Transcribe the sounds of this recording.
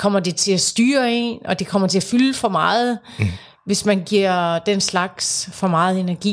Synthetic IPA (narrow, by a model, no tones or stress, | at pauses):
kʰɒ̽m̰ɐd̥e̝t͡sʰe̝læsd̥yːɐe̝̰ːnɒ̽d̥e̝kʰɒ̽m̰ɐt͡sʰe̝æfyləfɒ̽mɑ̈ːð̞̩ˠ | ʋe̝smænɡ̥iɐ̰d̥enslɑ̈ɡ̥sfɒ̽mɑ̈ːð̞̩ˠe̝næɐɡ̥ḭː